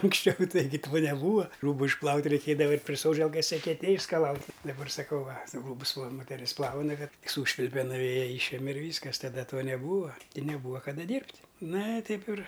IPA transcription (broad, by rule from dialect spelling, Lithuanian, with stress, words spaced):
ɐŋksʲˈt͡ʃʲɛʊ ˈtɐɪɡʲɪ toː nʲɛˈbuːʋɐ ˈruːbʊ ɪʃˈplˠɐʊtʲ rʲɛɪˈkʲeːdɐʋɐ ˈɐɪtʲ pʲrʲɪ ˈsoːd͡ʒʲɛlˠkɐs ɛkʲɛˈtʲeːj ɪʃskɐˈlˠɐʊtʲ dɐˈbɐr sɐˈkɐʊ ˈʋɐ ˈruːbʊs ˈʋɐ moːtʲɛˈrʲɪs ˈplˠɐʊnɐ ˈkɐt ˈsuːʃʲʋʲɪlʲpʲɛ nʊˈʋʲeːjɛ ˈiːʃʲɛmʲɛ ɪr ˈʋʲiːskɐs tɐˈdɐ ˈtuɔ nʲɛˈbuːʋɐ ɪ nʲɛˈbuːʋɐ kɐˈdɐ ˈdʲiːrʲpʲtʲ ˈnɐ ɪ ˈtɐɪp ɪr